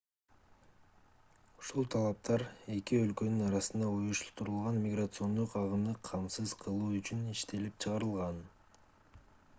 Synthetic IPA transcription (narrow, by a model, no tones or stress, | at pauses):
uʃulˠt̪ʰɑlˠɑp̚t̪ɑɾe̞kiø̞lkø̞nynɑɾɑsɯnd̪ɑujuʃt̪ut̪uɾulˠʁɑnmʲɪɡrat̪sɨo̞nd̪uqɑʁɯmd̪ɯqʰɑmsɯzqʰɯlˠuːyt͡ʃyniʃt̪e̞lipt͡ʃʰɯʁɑɾɯlˠʁɑn